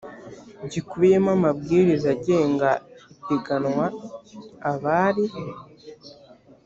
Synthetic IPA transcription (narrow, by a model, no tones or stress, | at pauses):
ɟikuβje̞mamabɡiːɾizaɟe̞ːŋɡaiteɡanŋwa | aβaːɾi